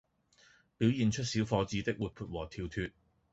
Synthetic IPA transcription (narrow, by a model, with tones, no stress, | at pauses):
pi˨˥wjiː˨nt͡ʃʰɵ˥t̚siː˨˥wfɔː˧t͡siː˧t̪ɪ˥k̚wuː˨t̚pʰuː˧t̚wɔː˨˩t̪ʰiː˧wt̪ʰyː˧t̚